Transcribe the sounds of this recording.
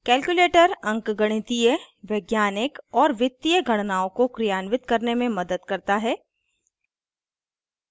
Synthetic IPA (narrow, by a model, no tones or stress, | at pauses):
kɛːlkjuleːʈəɾɐ̃ŋkɡɐɽ̃ɪt̪ijə | ʋɛɡjaːnɪkɔːɾʋɪt̪ːijəɡʱɐɽ̃naːõkokɾijaːnʋɪt̪kɐɾnemẽmɐd̪əd̪kɐɾt̪aɦɛː